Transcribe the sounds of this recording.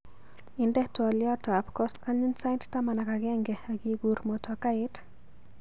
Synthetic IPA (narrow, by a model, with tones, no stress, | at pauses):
ɪndɛ˦twɔljɔ˦ta˨pkɔskalu˦nsa˦jnttama˨na˨kaɡɛ˦ŋɡɛaɡi˨ɡu˨ɾmotɔka˦ɪt